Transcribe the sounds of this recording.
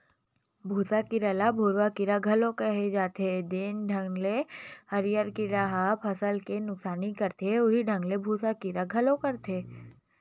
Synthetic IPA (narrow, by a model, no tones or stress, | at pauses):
bʱuːsakiɾəlabʱuːɾwakiɾaɡʱɐlõkəɦed͡ʒaːt̪ed̪ɪnɖʱɐ̃ŋɡlehɐɾijəɾkiɾaɦapʰɐsəlkenʊksaːnikɐɾt̪eʊɦiɖʱɐ̃ŋɡlebʱuːsakiɾaɡʱəlõkɐɾt̪eː